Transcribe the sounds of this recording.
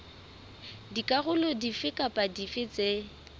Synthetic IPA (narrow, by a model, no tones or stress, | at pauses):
dikʼaɣʊlɔdifɪkʼapʼadifɪt͡sʼe